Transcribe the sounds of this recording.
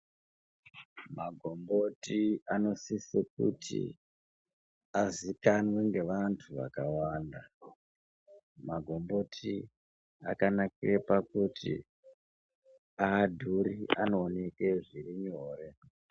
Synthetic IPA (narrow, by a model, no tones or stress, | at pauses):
maɡʱo̞mbo̞tiano̞sisek̚utʰḭ | azikanwe̞ŋɡe̞ʋantʰuʋa̰kawaːnda | maɡʱo̞mbo̞tʰi | a̰kanakirepakutʰḭ | aːdʱurianoːneke̞ʐiriɲoːre̞